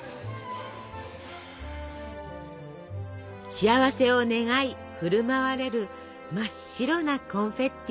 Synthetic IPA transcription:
ɕiaβase̞o̞ne̞ŋai | ɸɯ̟ɾɯ̟maβaɾe̞ɾɯ̟ | maɕːiɾo̞nakõ̞ɰ̃ɸe̞t̪ː

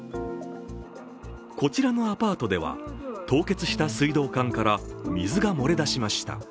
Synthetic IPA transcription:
ko̞t͡ɕiɾano̞apaːt̪o̞d̪e̞β̞a̰t̪o̞ːke̞t͡sɨɕi̥t̪asɨid̪o̞ːkãŋkaɾamʲizɨɡamo̞ɾe̞d̪aɕimaɕi̥t̪a̰

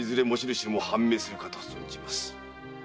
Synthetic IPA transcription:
izɨɾe̞mo̞ɕiɾɯ̟ɕt̪emo̞hãmːe̞ːsɨɾɯ̟kat̪osont͡ɕimasɨ̥

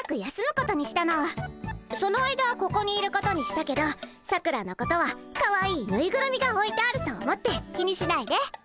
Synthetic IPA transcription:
akɯ̟jasɨmɯ̟ko̞t̪o̞ɲ̟iɕi̥t̪ano̞βaso̞noaid̪oβako̞ko̞ɲ̟iːɾɯ̟ko̞t̪o̞ɲ̟iɕi̥t̪ake̞d̪o̞ | sakɯ̟ɾano̞ko̞t̪o̞βakaβaiːnɯ̟iɡɯ̟ɾɯmʲiɡao̞it̪eaɾɯ̟t̪o̞ːmo̞t̪ːe̞kʲiɲ̟iɕinaid̪e̞

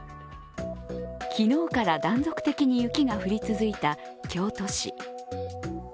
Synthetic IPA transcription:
kʲino̞ːkaɾad̪ãnd͡zo̞kɯ̟̥t̪e̞kʲiɲ̟ijɯ̟kʲiɡaɸɯ̟ɾʲit͡sɨzɨit̪a | kʲʰo̞ːt̪o̞ɕi

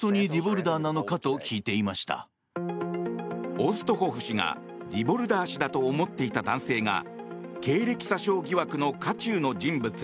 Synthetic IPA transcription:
o̞ɲ̟iɾʲibo̞ɾɯ̟d̪aːnano̞kat̪o̞kʲiːt̪e̞imaɕi̥t̪a̰ | o̞ːsɨ̥t̪o̞ho̞ːɸɯ̟ɕiŋa̰ | ɾʲibo̞ɾɯ̟d̪aːɕid̪at̪o̞ːmo̞t̪ːe̞it̪ad̪ãɰ̃se̞ːŋa̰ | ke̞ːɾe̞kʲi̥saɕo̞ːɡʲiβakɯ̟no̞kat͡ɕɨːno̞d͡ʑĩmbɯ̟t͡sɨ̥

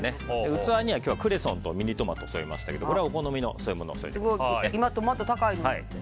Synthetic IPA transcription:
neɯ̟t͡sɨβaɲ̟iβakʲjo̞ːβakɯ̟ɾe̞sõnt̪omʲiɲ̟it̪o̞mat̪osoima̰ɕi̥t̪ake̞d̪oko̞ɾe̞aoko̞no̞mʲino̞̰soːjɯ̟mo̞no̰so̰ḭd̪ɡoeimat̪omat̪ːot̪akainoai

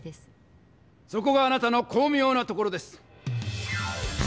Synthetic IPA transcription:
s | so̞ko̞ɡaːnat̪ano̞kʰo̞ːmɯjo̞ːnat̪o̞ko̞ɾo̞d̪e̞sɨ̥

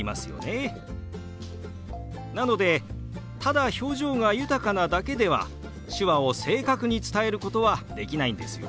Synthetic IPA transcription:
ima̰sɨjo̞̰ne̞ | nano̞d̪e̞ | t̪ad̪aço̞ːʑo̞ːŋajɯ̟t̪akanad̪ake̞d̪e̞βa̰ | ɕɨβao̞se̞ːkakɯ̟ɲ̟it͡sɨ̥t̪ae̞ɾɯ̟kot̪o̞βad̪e̞kʲinaĩnd̪e̞sɨjo̰

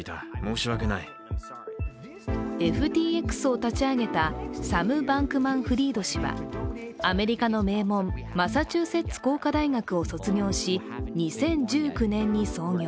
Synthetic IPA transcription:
it̪amoːɕiβakena̰i | e̞ɸɯ̟t̪ʲiːe̞kɯ̥sɨo̞t̪at͡ɕiaɡe̞t̪asamɯ̟bãŋkɯ̟mãɰ̃ɸɯ̟ɾʲiːd̪o̞ɕiβa̰ame̞ɾʲikano̞me̞ːmõ̞mːasat͡ɕɨːse̞t͡sɨ̥ko̞ːkad̪aiɡakɯ̟oso̞t͡sɨɲʲo̞ːɕi | ɲ̟isẽ̞ɲ̟d͡ʑɨːkɯ̟nẽ̞ɲ̟ːiso̞ːɲʲoː

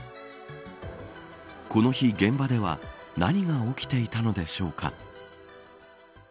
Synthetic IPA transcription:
ko̞no̞çiɡẽ̞mbad̪e̞βa̰naɲ̟iɡao̞kʲi̥t̪e̞it̪ano̞d̪e̞ɕo̞ːkʰa̰

